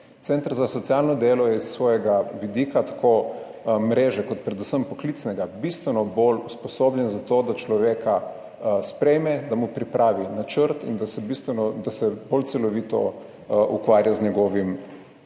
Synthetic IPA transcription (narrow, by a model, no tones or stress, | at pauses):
t̪sɛnt̪aɾzasɔt̪sijalnɔd̪eːlɔjɛisːʋɔːjɛɡaʋid̪ikat̪ḁkʰo | mɾeːʒɛkɔt̪̚pɾɛd̪usəmpɔklit̪snɛɡabist̪ʋɛnɔboluspɔsoːbljɛnzat̪od̪at͡ʃlɔʋeːkʰa | spɾɛjmɛd̪amupɾipɾʔaːʋinat͡ʃəɾt̪ḭnd̪asɛbist̪ʋɛnɔd̪asɛbolt̪sɛlɔʋiːt̪ɔ̰ | ʔukʋaːɾjazɲɛɡɔːʋim